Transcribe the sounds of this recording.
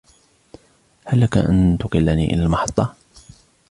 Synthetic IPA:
halːakaʔa̰nt̪ʊqɪlːaniːʔɪ̰lalmɑħɑt̪ˤːɑ

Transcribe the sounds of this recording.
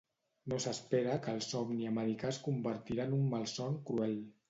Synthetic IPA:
nosəspeɾəkəlˠsɔmniəməɾikaskumbəɾt̪iɾanumːalˠsɔŋkɾuɛl

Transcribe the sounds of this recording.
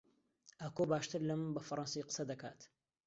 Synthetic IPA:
ʔaːkobaːʃt̪ɨɾlɐmɨnbɐfɐɾˤɑnsijqə̥sɐd̪ɐka̰ːt̪

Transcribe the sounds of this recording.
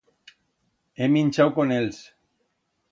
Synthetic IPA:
eminʲt͡ʃawkonels

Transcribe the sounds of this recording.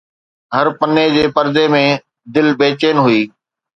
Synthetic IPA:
ɦəɾpəned͡ʑeːpɐɾd̪emẽ | d̪ɪlbeːt͡ɕeːnɦʊiː

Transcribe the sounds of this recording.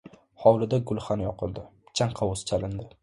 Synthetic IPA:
hɒwlɪd̪aɡʊlˠχanjɒqʰɨlˠd̪ɪt͡ʃʰaɴqʰɑʊst͡ʃʰalɪnd̪ɪ

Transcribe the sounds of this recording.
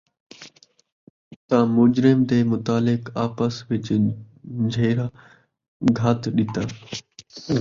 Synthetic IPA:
t̪ãːmʊd͡ʒɾɪmt̪eːmʊt̪aːlɪkaːpəsʋɪt͡ʃ | d͡ʒʱeːɾaː | ɡʱaːt̪ɗɪt̪aː

